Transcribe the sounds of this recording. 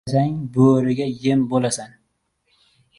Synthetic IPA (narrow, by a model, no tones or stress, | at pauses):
saŋboɾɪɡʲajɪmbolasan